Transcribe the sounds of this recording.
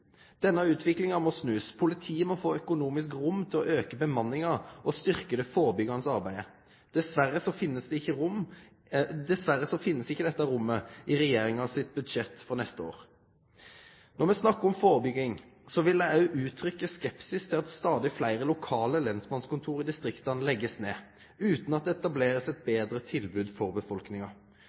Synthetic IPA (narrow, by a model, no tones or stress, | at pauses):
d̪̥ɛnːɑʉːt̪ʰʋɪklɪŋɑʋmɔsnʉːspʰʊlɪt̪ʰiːəmɔfoːœkʊnuːmɪskʁʊmt̪ʰɪlɔʔøːkəbəmɑnːɪŋɑʔɔst̪ʏʁkəd̪ɛfoːʁbʏɡɑnəsɑʁbæɪə | d̪̥ɛsʋæʁəsɔfɪnːəsd̪ɛɪçːəʁʊm | d̪ɛsʋæɾəsɔfɪnːəsɪçːəd̪ɛt̪ːɑɾʊmːəɪʁɛjeːʁɪŋɑsɪt̪̚bʉd̪ʃɛt̪ːfɔʁnɛst̪əo̰ːʁ | nɔʁmɛsnɑkːəɔmfoːʁbʏɡɪŋsɔʋɪlæɑʉʔʉːt̪ʰɾʏkːəskɛpsɪst̪ʰɪlɑt̪st̪ɑːd̪ɪflæɪʁəlʊkʰɑːləlɛnsmɑnskʊnt̪ʰuːɾɪd̪ɪst̪ʁɪkt̪ɑnlɛɡːəsneː | ʉːt̪nɑt̪d̪ɛɛt̪ɑbleːɾəsɛt̪̚beːd̪ɾət̪ʰɪlbʉːd̪fɔʁbəfɔlknɪŋɑ